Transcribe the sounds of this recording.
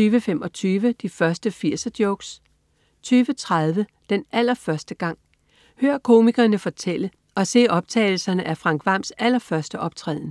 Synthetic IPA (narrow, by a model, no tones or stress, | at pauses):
yːʋəfem̰ɒ̽t͡sʰyːʋəd̥ifɶɐsd̥əfiɐ̰sɐd̥joʊɡ̥s | t͡sʰyːʋət͡sʰʁað̞ˠʋə | d̥enæl̰ɐfɶɐsd̥əɡ̥ɑ̈ŋ̰ | høːɐkʰo̝ːmiɡ̥ɐnəfɒ̽t͡sʰel̰ə | ɒ̽se̝̰ːɒ̽b̥̚t͡sʰɛ̰ːɪl̩sɐnəʔæfʁɑ̈ŋ̰ɡ̥ʋɑ̈msæl̰ɐfɶɐsd̥əʔɒ̽b̥̚t͡sʰʁɛ̰ðˠn̩